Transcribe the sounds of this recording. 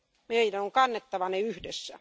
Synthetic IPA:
meilænoŋkɑnːet̪ːɑʋɑneyhdesːæ

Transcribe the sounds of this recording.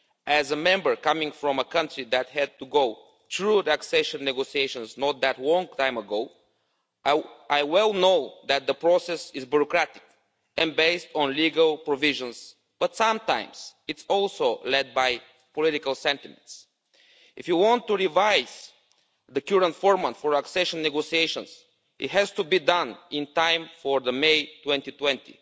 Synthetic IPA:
ʔæzəmɛ̃mbə˞kʌmɪ̃ŋfɹɔ̃məkʌ̃ntɹiðæt̪̚hɛd̪̚t̪uɡoʊ | θɹut̪æksɛʃə̃nːɛɡosieɪʃə̃nznɔt̪̚ðæt̪lɔ̃ŋt̪ʰãɪ̃məɡoʊ | ʔaɪwɛlˠnoʊðæt̪̚ðəpɹɔsɛsɪzbjuɹɔkɾæt̪ɪ̥k | ɨ̃nbeɪstɔ̃nliɡəlˠpɹɔvɪʒə̃nz | b̥ʌt̪sãmt̪ãɪ̃mz̥ɪtsɔlˠsoʊlɛd̪̚baj | pɔlɪɾɪkəlˠsɛ̃nt̪ɪmɛ̰̃nts | ɪfjuwɔ̃nt̪ːuɹivaɪz̥ | ðəkjuɹə̃ntfɔɹmat̪fɔɹəksɛʃə̃nːɛɡosieɪʃə̃ns | ɪ̰t̪hɛz̥t̪ubid̪ʌ̃nɪ̃nt̪ãɪ̃mfɔɹðəmeɪt̪wɛ̃nt̪it̪wɛ̃nt̪ḭ

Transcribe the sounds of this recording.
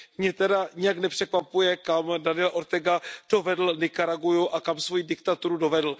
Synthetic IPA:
mɲɛt̪ɛdaɲɪjaknɛpr̥ɛkvapujɛkamdanɪjɛlaʔoɾt̪ɛɡad̥o̞vɛdl̩nɛkaɾaɡujuʔakamsvo̞jidɪkt̪at̪uɾudo̞vɛdl̩

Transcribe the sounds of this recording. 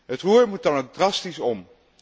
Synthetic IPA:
ɦətruːɹmut̚dɑnowk̚drɑstisɔm

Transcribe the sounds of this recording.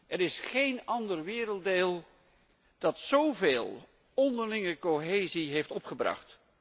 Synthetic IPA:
ʔɛɾɪsχejnɑndərʋɪːɾəlˠt̚deːlˠ | d̥ɑtsowveːlˠ | ɔndəɹlɪŋəkoɦeːziɦejftɔpχəbrɑ̰χt

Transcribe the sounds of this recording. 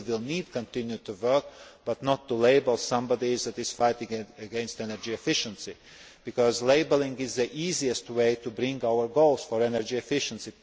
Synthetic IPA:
wɪlˠnid̚kə̃ntɪ̃njutuwɜ˞k̚b̥ʌtnɔtːuleɪbəlˠsʌ̃mbɑdizðætɪz̥faɪtɪ̃ŋɨɡɛ̃nstɛnə˞d͡ʒiɛfɪʃə̃nsi | b̥ɨkɔzleɪbəlˠɪ̃ŋɡɪzðiʔiziɨstweɪtubɾɪ̃ŋɡaʊə˞ɡoʊlˠz̥fəɹɛnəɹd͡ʒiɛfɪʃə̃nsi

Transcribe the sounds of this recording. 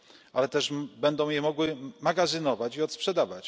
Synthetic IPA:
ʔalɛt̪ɛʐbɛnd̪ɔ̃w̃jɛmɔɡwɘmaɡazɘnɔvat͡ɕiɔt̪spʂɛd̪avat͡ɕ

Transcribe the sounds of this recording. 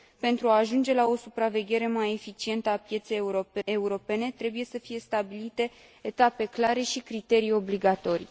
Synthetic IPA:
pe̞nt̪ɾuaːʒund͡ʒe̞lao̞supɾave̞ɡʲe̞ɾe̞maje̞fit͡ʃie̞nt̪əapje̞t̪se̞juɾoe̞uɾo̞pe̞ne̞t̪ɾe̞buje̞səfije̞st̪abilit̪e̞ː | t̪ape̞klaɾe̞ʃikɾit̪e̞ɾijo̞bliɡat̪o̞ɾi

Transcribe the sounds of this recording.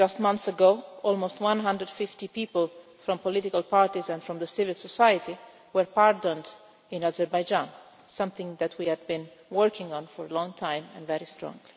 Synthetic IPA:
d͡ʒʌstmãnθsəɡoʊɔlˠmoʊstwãnɦãndəd̥fɪftipiːpəlfɾɔ̃mpɔlɪtɪkalˠpʰaɹtizɛ̃nfɾɔ̃mðəsɪvɪlˠsɔsajəti | wəɹpaɹdə̃nd | ɪ̃nazɛɹbajd͡ʒãn | sʌ̃mθɪ̃ŋðætʰwiæd̚bĩn | wɜɹkɪ̃ŋɔ̃nfɔɹəlɔ̃ŋt̪ʰãj̃mɛ̰̃nvɛɹistɹɔ̰̃ŋli

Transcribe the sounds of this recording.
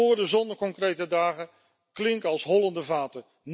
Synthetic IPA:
ʊːɹdəzɔndəɹkɔŋkrejtədaːχə | klɪŋkɑlˠsɦɔlˠɑndəvaːtə | n

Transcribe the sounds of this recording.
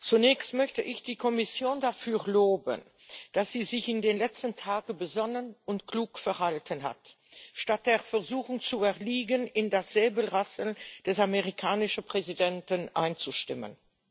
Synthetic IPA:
t͡sunɛːçstmœçtəʔɪçd̥iːkʰɔmɪsjoːndafyːʁloːbə̰n | d̥asz̥iːzɪçɪndeːnlɛt͡stən̩tʰaːɡəbəzɔnənʊntkluːkfɛɐhaltʰənɦa̰t | ʃtat̚d̥eːɐfɛʁzuːxʊŋt͡suɛʁliːɡənɪndasz̥eːbəl̩ʁasnd̥ɛsameʁikʰaːnɪʃəpʁ̥ezidɛntənʔa̰ɪnt͡suʃtɪ̰mə̰n

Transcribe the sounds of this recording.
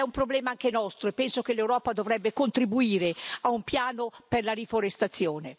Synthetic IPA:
ɛumpɾoblɛːmaaŋkenɔst̪ɾoepːɛnsok̟elːewɾɔːpad̪ovɾɛbːekont̪ɾibuiːɾeaumpjaːnoperlaɾifoɾest̪at̪sːjoːne

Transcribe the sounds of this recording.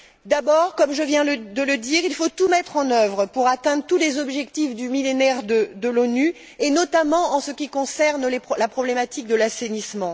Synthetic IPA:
d̪abɔʁkɔmʒəvjɛ̃ləd̪ələd̪iʁilfot̪umɛt̪χɑ̃nœvʁəpuʁat̪ɛ̃d̪ʁət̪ulezɔbʒɛkt̪ifd̪ymilenɛʁd̪əd̪əlony | enɔt̪amɑ̃ʔɑ̃səkʲikɔ̃sɛʁnlelapχɔblemat̪ik̚d̪əlasenismɑ̃

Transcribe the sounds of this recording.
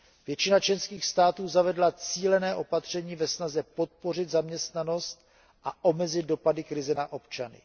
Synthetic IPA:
vjɛt͡ʃɪnat͡ʃlɛnskiːxst̪aːt̪uːzavɛdlat͡siːlɛnɛːʔo̞pat̪r̝̥ɛɲiːvɛsnazɛpo̞t̪̚po̞r̝ɪd̪zamɲɛst̪nano̞st̪̚ | ʔaʔomɛzɪt̪̚do̞padɪkɾɪzɛnaʔo̞pt͡ʃanɪ̰

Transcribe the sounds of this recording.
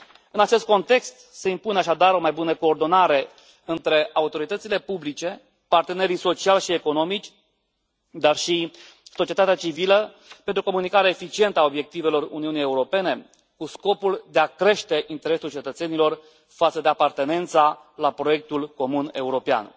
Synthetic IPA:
ɨnat͡ʃe̞st̪̚ko̞nt̪e̞kst̪se̞impuneaʃad̪aɾo̞majbunəko̞ːrd̪o̞naɾe̞ | ɨnt̪ɾe̞ʔaut̪o̞ɾit̪ət̪sile̞publit͡ʃe̞ | part̪e̞ne̞ɾiso̞t͡ʃialʲʃie̞ko̞no̞mit͡ʃʲ | d̪arʃi | so̞t͡ʃije̞t̪at̪eat͡ʃivilə | pent̪ɾuko̞munikaɾeefit͡ʃie̞nt̪əao̞bje̞k̚t̪ive̞lo̞rṵniunije̞uɾo̞pe̞ne̞ | kusko̞puld̪eakɾe̞ʃt̪e̞ʔint̪e̞ɾe̞sult͡ʃe̞t̪ət̪se̞nilo̞r | fat̪səd̪e̞apart̪e̞ne̞nt̪sa | lapɾo̞je̞k̚t̪ulko̞mune̞uɾo̞pea̰n

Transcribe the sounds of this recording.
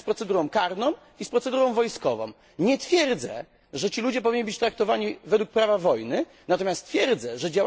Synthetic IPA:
spɾɔt̪sɛd̪uɾɔ̃w̃kaɾnɔ̃w̃ | ispɾɔt̪sɛd̪uɾɔ̃w̃vɔjskɔvɔ̰̃w̃ | ɲɛt̪fʲjɛɾd̪zɛ̰ | ʐɛt͡ɕilud͡ʑɛp̬ɔvʲiɲːibɘt͡ɕt̪ɾak̚t̪ɔvaɲivɛd̪wuk̚pɾavavɔjnɘ | nat̪ɔmʲjast̪fʲjɛɾd̪zɛʐɛd͡ʑaw

